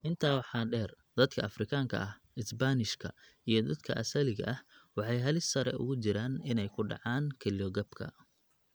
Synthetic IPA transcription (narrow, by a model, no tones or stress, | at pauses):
ʔɪnt̪ʰaːwɑħɑːɖɛːr | d̪̥ɐd̪kʰɐɐfrɪkʰaːŋkʰɐ̰ʔɐh | ɪsbanɪʃkʰɐ̰ | ijɞd̪ɐd̪kʰɐ̰ʔɐsɐlɪɣɐ̰ʔɐhwɑħɑjɦɐlɪsːɐɾɛ̰ʔʊ̰ɣʊt͡ʃɪɾaːnɪnɛjkʰʊɖɑ̰ʕɑːnkʰɛlɔɡɐbkʰɐ̰